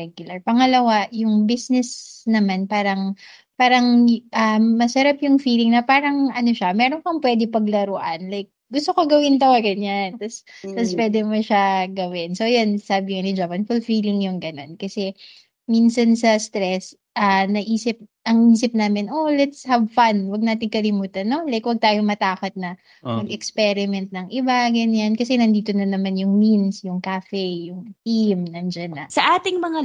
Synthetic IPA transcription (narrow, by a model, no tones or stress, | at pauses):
ɛɡjʊlɐɹpɐŋɐlɐwajʊŋbisnɛsnɐmanpaːɾɐŋ | paːɾɐŋʔɐmɐsɐɾapjʊŋfiːlɪŋnɐpaːɾɐŋʔɐnoʃamɛːɾonpɐŋpwɛːd̪ɪpɐɡ̚lɐɾʊʔɐnlajk̚ɡʊst̪okoɡɐwɪnt̪ɐwaɡɐnɲant̪ɐst̪ɐspwɛːd̪ɛmoʃaɡɐwɪnsowjonsaːbɪŋanɪd͡ʒapɐnfʊlfiːlɪŋjʊŋɡɐno̞nkɐsɛ | minsɐnsɐst̪ɾɛs | ʔɐnɐʔiːsɪp̚ʔɐŋʔiːsɪp̚naːmɪnʔolɛt̪shɐvfanwɐɡ̚naːt̪̬ɪŋkɐlɪmuːt̪ɐnːo̞lɐjkwɐɡ̚t̪aːjomɐt̪aːkɐt̪̚nɐ | mɐɡɛkspɛɾɪmɛnt̪̚nɐŋʔɪbaɡɐnjankɐsɛnɐnd̪iːt̪o̞nɐnɐmanjʊŋminsjʊŋkafɛjʊŋt̪imnɐnd͡ʒanːɐsɐʔaːt̪ɪŋmɐŋa